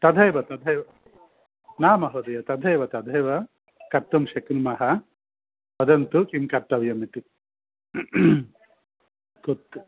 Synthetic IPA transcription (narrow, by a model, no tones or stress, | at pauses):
t̪ɐd̪ʱɐjʋɐt̪ɐd̪ʱɐjʋɐ | naːmɐɦod̪ɐjɐt̪ɐd̪ʱɐjʋɐt̪ɐd̪ʱɐjʋɐ | kɐɾt̪ːumʃeknumɐɦɐ | ʋɐd̪ɐnt̪ukimkɐɾʈ̪ːɐʋjɐmit̪i | kot̪ː